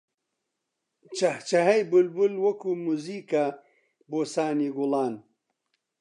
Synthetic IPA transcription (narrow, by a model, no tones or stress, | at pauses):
t͡ʃɐht͡ʃɐɦɐjbulbulwɐkumuziːka | boːsaːniɡulaːn